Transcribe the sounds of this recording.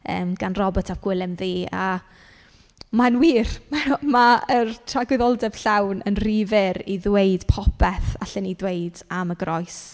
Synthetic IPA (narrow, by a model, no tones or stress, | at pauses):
ə̰ːmɡ̥anrɔbɔtʰavɡ̥wɪlˠɪmðiːa | manwiːrmamaərtʰraɡwɪðɔlˠdɛv̥ɬawnə̰nrivɪɾiðweɨd̥pʰɔpʰɛθaɬɛnidwejdaməɡrɔjs